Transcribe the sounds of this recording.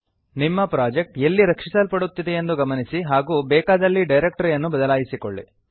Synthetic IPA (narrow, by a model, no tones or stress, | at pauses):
nimːɐpɾaːd͡ʒek̚ʈelːiɾɐkʂisɐlpɐɽut̪ːid̪ejend̪uɡɐmɐnisiɦaːɡuːbɛːkaːd̪ɐlːiɖɐjɾek̚ʈɐɾjɐnːubɐd̪ɐlaːjisikoɭːḭ